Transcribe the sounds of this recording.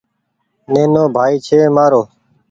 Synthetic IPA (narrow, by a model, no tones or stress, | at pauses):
neːnoːbʱaːiːt͡ʃʰeːmaːɾoː